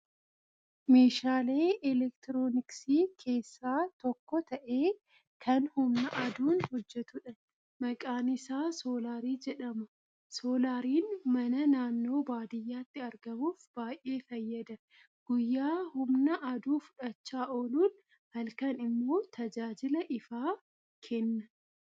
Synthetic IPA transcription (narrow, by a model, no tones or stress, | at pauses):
me̞ːʃaːle̞ːɛlɛkt̪ɪɾoːnɪksiːkʰe̞ːsːaːt̪ɔkːɔt̪ɐʔe̞ː | kʰɐnhʊmnɐʔɐd̪uːnhɔd͡ʒːɛt̪ʊᶑɐn | mɐkʼaːnɪsaːsoːlaːɾiːd͡ʒɛᶑɐmɐ | so̞ːlaːɾiːnmɐnɐnaːnːo̞ːbaːd̪ɪjːaːt̪ːɪɐɾɡɐmuːfb̥aːjʔe̞ːfɐjːɐd̪ɐ | ɡ̥ʊjːaːhʊmnɐʔɐd̪uːfʊ̥ᶑɐt͡ʃːaːʔoːluːn | hɐlkɐnɪmːo̞ːt̪ʰɐd͡ʒaːd͡ʒɪlɐʔɪfaː | kʰɛnːɐ